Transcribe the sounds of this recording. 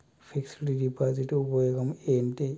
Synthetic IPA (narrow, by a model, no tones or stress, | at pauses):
pʰiksiʈiɖipaːd͡ʒiʈupɐjoːɡɐmeːnʈe